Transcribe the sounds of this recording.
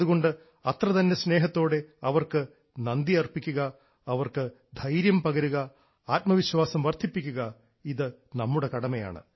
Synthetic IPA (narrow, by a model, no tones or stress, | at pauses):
ðuɣo̞ɳɖɨ | ɐt̪rɐt̪ɐnːe̞sne̞ːɦɐt̪ːo̞ːɽe̞ɐʋɐrkɨ | nɐnd̪iɐrpikʲːuɣɐ | ɐʋɐrkɨ | d̪ʱɐjɾjɐmpɐɣɐɾuɣɐ | aːt̚mɐʋiɕwaːsɐmʋɐrd̪ʱipːikʲːuɣɐ | iðɨ | nɐmːuɽe̞kɐɽɐmɐja̰ːɳɨ̰